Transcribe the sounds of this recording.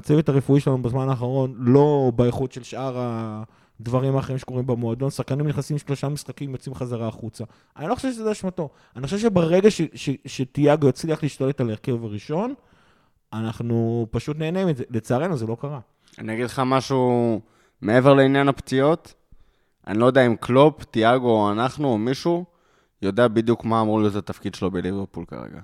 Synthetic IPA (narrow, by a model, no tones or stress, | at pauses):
at͡sevetaʁefuiʃelanubezmanaːχaʁo̞nlo̞baeχutʃe̞lʃʔaʁa | d̪vaʁimaːχeʁimʃe̥ko̞ʁimbemoad̪o̞nsaχkanimniχnasimʃlo̞ʃamisχakimjot͡simχazaʁaːχut͡sa | ʔanilo̞χoʃefʃezeaʃmato̞ | anixoʃevʃebeʁe̞ɡaʃeʃeʃet̪ijaɡjot͡sliaχliiʃt̪ale̞taleʁke̞vaʁiʃo̞n | anaχnupaʃutneːnemitzelet͡saːʁe̞nuzelo̞kaʁa | a̰niaɡid̪leχamaʃu | meeveʁleinjanapt͡sio̞t̪ | ʔa̰nilojdeaimklopt̪iaɡoanaχnuomiʃu | jo̞d̪eabid̪jukmaːmʁulizeat̪afkid̪ʃelobeliveʁpulka̰ʁḛɡa̰